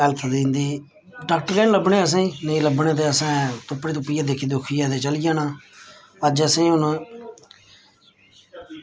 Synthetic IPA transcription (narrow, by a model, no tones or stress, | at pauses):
ələt̪ʰd̪ĩːnd̪iː | ɖaːk̚ʈəɾɡɛːnləbɳeːəs̬ãːĩːnəĩləbɳeːt̪̬eːəsãːt̪ʊpːɽeːt̪ʊpːɪjãːd̪eːkʰiːd̪ʊkʰijãːt̪eːt͡ʃəlijãːnaː | əd͡ʒəsẽĩːʊn